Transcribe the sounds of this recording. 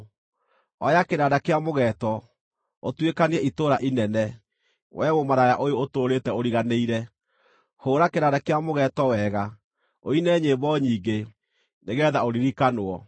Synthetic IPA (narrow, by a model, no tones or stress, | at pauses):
ɔjakenadakeamoɣɛːtɔ | otwekaneɛitoɾaʔinɛnɛ | wʔɛmomaɾajaʔojootoːɾetɛoɾiɣaneiɾɛ | hoːɾakenadakeamoɣɛtɔwɛɣa | oinɛɲeːbɔɲiːɡe | neɣɛːðaoɾiɾikanoɔ